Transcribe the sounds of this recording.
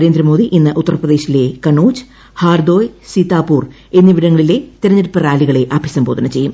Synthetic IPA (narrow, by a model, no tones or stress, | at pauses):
ɾeːnd̪ɾɐmo̞ːd̪iʔinːɨʔut̪ːɐrɐprɐðeːɕile̞kɐɳuːd͡ʑ | haːrd̪o̞ːjsit̪ːaːpuːr | e̞nːɐʋiɽɐŋːɐɭile̞t̪iɾɐɲːɐɾupːɐraːliɣɐɭe̞ʔaːbʱjɐsɐmbo̞ːd̪ʱɐnɐt͡ɕe̞jːum